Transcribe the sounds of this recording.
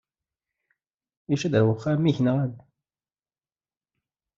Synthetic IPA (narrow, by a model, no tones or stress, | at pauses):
iʃæd̪əɾwəχːæmiçnʁæn